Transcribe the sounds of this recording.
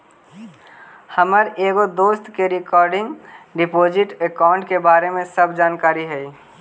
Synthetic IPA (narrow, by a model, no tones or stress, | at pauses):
həməɾeːɡod̪oːst̪keɾɪkɔːɾɖɪ̃ŋɡɖɪpoːd͡ʒɪʈekaːʊ̃ɳʈkebaːɾemẽsəbd͡ʒaːnkaːɾiɦɛi